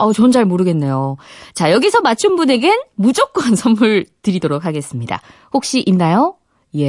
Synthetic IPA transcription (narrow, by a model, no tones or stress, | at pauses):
ʌt͡ɕʌnt͡ɕaɭmoɾɯɡe̞nːe̞jot͡ɕajʌɡisʰʌmat͡ɕʰunbune̞ɡenmud͡ʑʌk̚k͈ansʰʌmmɯɭtɯɾidoɾok̚ʰaɡe̞s͈ɯmɲida̰ | hok̚ɕ͈iʔinːajo | je̞